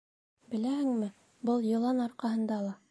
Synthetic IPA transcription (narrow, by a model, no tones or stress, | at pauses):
bɘ̆læhɘ̆ŋmɘ | bɤlˠjɤ̆lˠɑnɑɾqɑɦɤ̆nd̪ɑlˠɑ